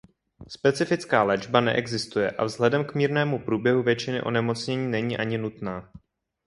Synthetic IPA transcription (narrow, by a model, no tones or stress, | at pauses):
spɛt͡sɪfɪt͡skaːlɛd͡ʒbanɛʔɛɡzɪst̪ujɛʔavzɦlɛdɛmkmiːɾnɛːmupɾuːbjɛɦuvjɛt͡ʃɪnɪʔo̞̰nɛmo̞t͡sɲɛɲiːnɛɲiːʔaɲɪnut̪naː